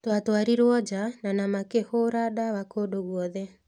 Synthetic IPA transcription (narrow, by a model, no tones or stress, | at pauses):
twatwaɾiɾwɔd͡ʒananamakehoɾadaβakodoɣwɔðɛ